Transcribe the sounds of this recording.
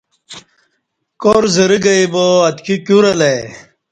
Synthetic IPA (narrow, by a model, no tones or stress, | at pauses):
koːɾzɐɾiɡɐiboɐt̪kʰikjuɾɐle